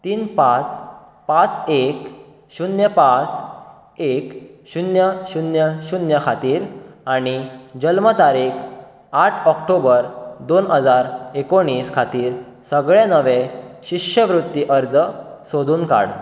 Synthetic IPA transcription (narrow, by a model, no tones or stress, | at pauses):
t̪iːnpãt͡s | pãt͡sek | ɕunjəpãt͡s | ekɕunjəɕunjəɕunjəkʰat̪iːɾaɽ̃id͡ʑəlmət̪aɾiːkʰ | aʈʰɔkʈobəɾd̪onɦəd͡zaɾekoɽ̃iːskʰat̪iːɾ | səɡɭenəʋeɕikɕəʋɾut̪ːiʔəɾd͡zsod̪ʱuːnka̰ɽ